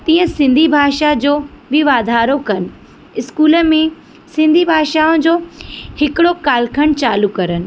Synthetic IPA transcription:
t̪ĩːɦə̃sɪ̃nd̪ʱibʱaːʃad͡ʑoːbʱɪʋaːd̪ʱaːɾokɐnɪ̆ | ɪskuːlə̆mẽ | sɪ̃nd̪ʱibʱaːʃaːʊ̃d͡ʑoːhɪkɪɽokaːlkʰəɽ̃t͡ɕaːlukɐɾənɪ̆

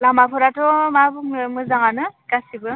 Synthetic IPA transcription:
lamapʰɯɾatɔmabumɯzaŋanɯkasibɯ

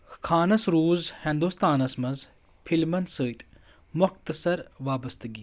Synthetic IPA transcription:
kʰaːnɐsɾuːzhɪ̃nd̪uːst̪aːnɐsmɐnz | pʰilmɐnsəːit̪ | mʊxt̪ɐsɐɾʋaːbɐst̪ɨɡiː

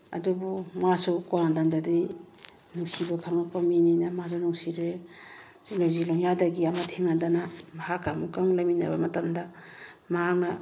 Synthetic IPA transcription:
ɐ̰dubumasukɔnadaŋdadi | nuŋsibɐkʰaŋnakomininɐmasunuŋsiɾe | t͡ʃilozilɔŋjadɐɡiɐmatʰeŋadanamaɦakamukamlamina̰bɐmɐtɐmdɐ | maak̚nɐ

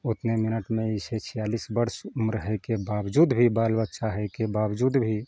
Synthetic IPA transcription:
ʊt̪nemɪnəʈmẽiset͡ʃʰijaːlisbəɾsmɾəɦəkebaʋd͡ʒuːd̪bʱibaːlbətːʃʰaɦɛkebawd͡ʒuːd̪bʱi

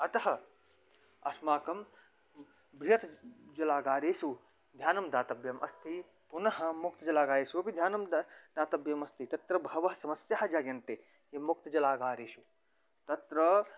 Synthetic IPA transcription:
ɐt̪ɐɦɐ̆ | ɐ̰smaːkɐm | bɾijɐt̪d͡ʒɐlaːɡaːɾeːsu | d̪ʱjaːnɐmd̪aːt̪ɐbjɐmʔɐ̰st̪ʰi | punɐɦɐmukt̪ɐd͡ʒɐlaːɡaːɾeːsupid̪ʱjaːnɐmd̪aːt̪ɐbjɐmɐst̪ʰit̪ɐt̪ɾɐbʱɐʋɐɦɐsɐmɐsjaːɦɐd͡ʒaːjɐnt̪e | jimukt̪ɐd͡ʒɐlaːɡaːɾeːsu | t̪ɐt̪ɾɐ

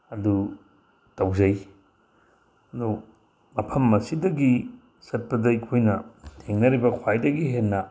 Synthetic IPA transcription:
ɐdu | tɐwzɐj | ɐdu | mɐpʰɐmːɐsidɐɡi | sɐt̚pɐdɐikʰojnɐtʰeŋnɐɾibɐkʰwajdɐɡiɦenːɐ

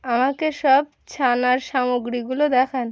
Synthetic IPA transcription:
amakeʃɔb̚ | t͡ɕʰanaɾʃamoɡɾiɡulod̪ɛkʰan

